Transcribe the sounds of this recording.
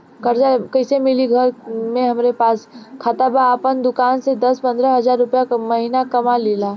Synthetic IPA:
kəɾd͡ʒakəɪsemiliɡʱəɾmẽɦəmɾepaːskʰat̪abaəpənd̪ʊkansed̪əspə̃nd̪ɾəɦəd͡ʒaɾːʊpjakməɦinakəmalela

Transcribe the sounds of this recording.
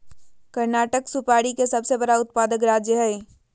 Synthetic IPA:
kɐɾnaːʈəksʊpaːɽikesɐbsebɐɽaʊt̪̚paːd̪əkɾaːd͡ʒjəɦɛː

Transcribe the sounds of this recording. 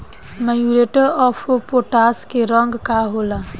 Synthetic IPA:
majuɾeʈəɾɔfʰopoʈaːskeɾə̃ŋɡkaɦoːla

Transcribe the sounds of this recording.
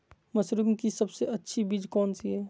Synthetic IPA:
mɐsɾɪmkisɐbseʔɐtːʃʰibiːd͡ʒkɔːnsiɦɛː

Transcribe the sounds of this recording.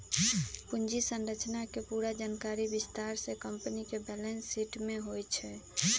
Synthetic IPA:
pund͡ʒisənɾət͡ʃnakepuɾad͡ʒankaɾibist̪aɾsekəmpənikebɛlensːiʈmeɦojt͡ʃʰɛ

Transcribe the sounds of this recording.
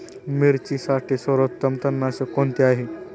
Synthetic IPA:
miɾt͡ɕisaʈʰisəɾot̪ːəmt̪ənːasekont̪iaɦe

